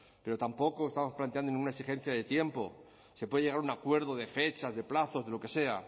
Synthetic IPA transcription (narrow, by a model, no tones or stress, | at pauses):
pe̞ɾo̞t̪ampo̞ko̞est̪amo̞splant̪eand̪onĩŋɡunaesixe̞n̟θjaðe̞t̪je̞mpo̞̰ | sepweðeʝe̞ɣ̞aɾunakwe̞ɾð̞o̞ðe̞fe̞t͡ʃazðe̞plaθo̞zðe̞lo̞ke̞se̞a